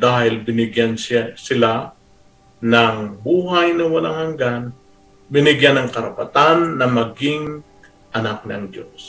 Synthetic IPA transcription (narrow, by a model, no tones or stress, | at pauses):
d̪aːhɪlbɪnɪɡjansasɪla | nɐŋbuːhajnɐwɐlaŋhɐŋɡan | bɪnɪɡjanɐŋkɐɾɐpɐt̪anːɐmɐɡɪŋ | ʔɐnak̚nɐ̰ŋd̪o̰s